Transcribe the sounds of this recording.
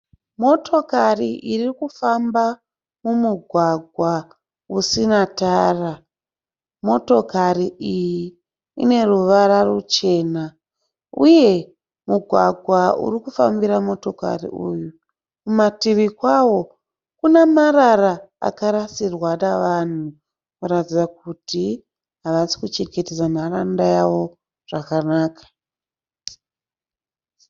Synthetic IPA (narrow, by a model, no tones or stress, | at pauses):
mo̞tʰo̞kariʔirikufamba | mumuɡʱwaɡʱwa | usinataːra | mo̞to̞kaɾiʔijiː | ne̞ruʋaɾarut͡ʃe̞ːna | uje̞ | muɡʱwaɡʱwaṵrikufambiɾamo̞to̞ka̰rḭuju | kumatiʋikwawo̞ | kunamaɾaɾaa̰kaɾasirwaraʋan̤u | kuɾatid͡zak̚uti | ɦaʋasi̥kut͡ʃeɡe̞ted͡zanarandajaʋo̞ | ʐ̥akanaːkḁ